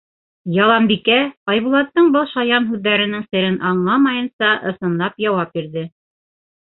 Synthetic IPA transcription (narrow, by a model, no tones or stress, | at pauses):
jɑlˠɑmbikæɑjβulˠɑt̪ːɤɴbɤlˠʃɑjɑnɦʉðːæɾɘ̆nɘŋsɘ̆ɾɘnʔɑɴlˠɑmɑjɤ̆nsɑʔɤ̆sɤ̆nlˠɑpjɑwɑp̚biɾðɘ